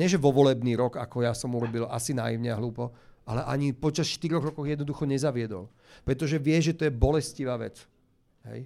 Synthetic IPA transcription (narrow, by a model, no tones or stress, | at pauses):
ɲɛʒɛʋɔʋɔlɛbniːɾɔka̰kɔjasɔmuɾɔbilʔa̰sina̰ːjiʊɲɛaɦluːpɔʔalɛʔaɲipɔt͡ʃasʃt̪iɾɔɣɾɔkɔɣjɛd̪nɔd̪uxɔɲɛzaʋɪɛd̪ɔ̰l | pɾɛt̪ɔʒɛʋɪɛʒɛt̪ɔjɛbɔlɛsciʋaːʋɛ̰t͡s | ɦɛ̰j